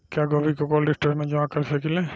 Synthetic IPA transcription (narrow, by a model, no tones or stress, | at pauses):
kaɡɔbikɔkɔlɖisʈimãd͡ʒɔãkaɹisakilɛ